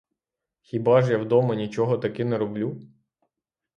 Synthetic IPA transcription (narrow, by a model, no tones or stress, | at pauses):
xʲibɑʒjawd̪ɔmɐnʲit͡ʃɔɦɔt̪ɐkɪnɛɾɔblʲu